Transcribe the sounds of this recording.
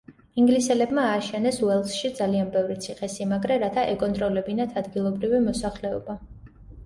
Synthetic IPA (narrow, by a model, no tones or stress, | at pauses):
iŋɡlisɛlɛbmaːʃɛnɛsuɛlˠsʃid̪zalianbɛvɾit̪sʰiχɛsimaɡɾɛɾat̪ʰaʔɛkʼɔnt̪ʼɾɔlɛbinat̪ʰad̪ɡilˠɔbɾivimɔsaχlɛɔba